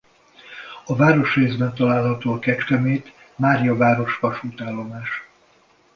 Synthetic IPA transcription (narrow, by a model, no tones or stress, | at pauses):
ɒvaːɾo̞ʃreːzbɛnt̪ɒlaːlɦɒt̪oːɒkɛt͡ʃkɛmeːt̪ | maːɾijɒvaːɾo̞ʃʋɒʃuːt̪aːlːo̞maːʃ